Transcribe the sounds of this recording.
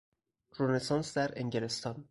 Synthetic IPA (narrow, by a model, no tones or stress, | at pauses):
ɾonesɒnsd̪æɾeŋɟelest̪ʰɒn